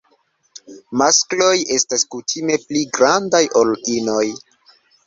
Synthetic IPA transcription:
masklo̞je̞staskutʰime̞pliɡɾandajʔolino̞j

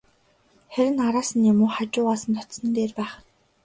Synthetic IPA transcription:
χæɾʲɪ̆naɾaːsə̆njamʊːχat͡ɕʊːaːsə̆nt̪ʰɔt̪sə̆nt̪eːrpæːχ

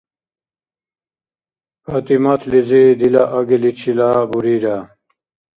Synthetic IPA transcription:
pɐt̪imɐt̪ʰlizid̪ilɐʔɐɡilit͡ɕʰilaːbuɾiɾa

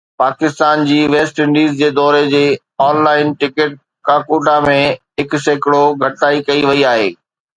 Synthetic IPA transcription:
paːkɪst̪aːnd͡ʑiːʋeːsʈɪ̃ɳɖiːzd͡ʑeːd̪ɔːɾed͡ʑeː | ɔːnlaːɪnʈɪkɪʈ̚ | kaːkuːʈamẽɦɪkʊseːkɪɽoɡʱɐʈaːikɐiʋɐiaːɦḛː

